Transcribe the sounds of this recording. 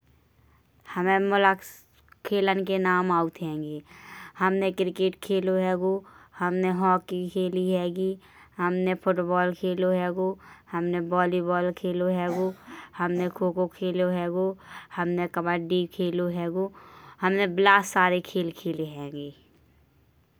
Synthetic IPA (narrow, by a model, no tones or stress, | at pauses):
həmẽmʊlək | kʰːeːlənkenaːmaːʊt̪ɦɛ̃ːŋɡeːhəmnekɾɪkeːʈkʰeːloɦɛːɡohəmneɦɔːkːikʰeːliɦɛːɡi | həmnepʰʊʈbɔːlkʰeːloɦɛːɡohəmnebɔːlibɔːlkʰeːloɦɛːɡohəmnekʰoːkokʰeːloɦɛːɡohəmnekəbəɖikʰeːloɦɛːɡohəmneblaːssaːɾekʰeːlkʰeːleɦɛ̃ːŋɡeː